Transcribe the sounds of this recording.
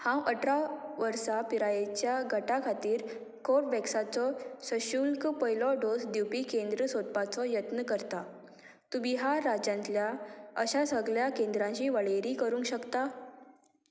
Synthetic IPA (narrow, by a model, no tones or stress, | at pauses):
hãwʔəʈɾaʋəɾsapiɾajet͡ɕjaɡʱəʈakʰat̪iːɾ | koɾʈʋɛksat͡sɔsəɕulkpəjlɔɖosd̪iwpiːkend̪ɾəsot̪̚pat͡sɔjət̪nəkəɾt̪a | t̪ubiɦaɾːad͡ʑãnt̪ljaəɕasəɡɭjakẽnd̪ɾãɲt͡ɕiːʋəɭeɾiːkəɾũːŋkɕəkt̪a